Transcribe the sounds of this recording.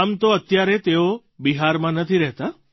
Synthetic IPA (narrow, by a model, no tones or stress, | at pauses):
amt̪oət̪jaɾet̪eo | biɦaɾmãnət̪ʰiɾɛɦt̪a